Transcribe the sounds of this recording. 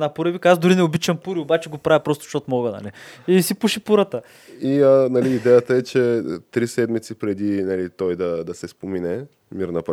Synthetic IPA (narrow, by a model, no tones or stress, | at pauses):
napuɾəbikazd̪ʊɾinɛobit͡ʃɐmpuɾiobat͡ʃɛɡopɾavʲipɾɔst̪ʊ̥ʃt̪ot̪ʊmɔɡənɐ̰liisipuʃipuɾət̪ə | iənɐliːd̪ɛjət̪əɛt͡ʃɛt̪ɾisɛd̪mit̪sipɾɛd̪inɐlit̪ɔjd̪ɐd̪ɐsɛspominɛ | miɾnɐp